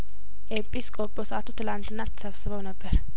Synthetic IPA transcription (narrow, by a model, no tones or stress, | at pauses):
ʔepʼiskʼobʼosəʔat̪ʰut̪ʰɨlant̪ʰɨnːat̪ʰːə̥səβsɨβəwnəbːəɾ